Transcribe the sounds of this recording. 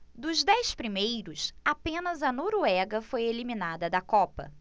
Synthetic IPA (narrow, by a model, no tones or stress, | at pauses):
d̪ʊzd̪ɛjspɾimejɾʊsapẽnɐzɐnoɾuɛɡɐfojeliminad̪ɐd̪ɐkɔpɐ̰